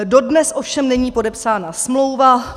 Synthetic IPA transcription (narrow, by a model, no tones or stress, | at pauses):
do̞dnɛsʔo̞fʃɛmnɛɲiːpo̞dɛpsaːnasmlo̞wva